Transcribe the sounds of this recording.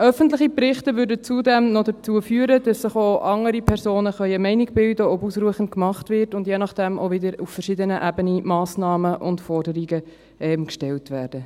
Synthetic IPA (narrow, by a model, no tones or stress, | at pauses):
ʔœfəntləχiprɪχtəʋʏːɾdət͡sudɛmnɔdət͡suəfyːəɾəd̥ɑsːɪχoʔɑŋəɾipʰɛɾsoːnəχœʏəmɛɪniɡ̚bɪldəɔbusɾuəχən̩tkmɑχtvɪrtʊndjenɑχd̥ɛmʔo̰vɪdəɾufəʃɪdənəʔæbənimɑːsnɑːməʔʊ̰ndfɔrdəɾiɡə | ʔɛmkʃtɛltvæːrd̥ə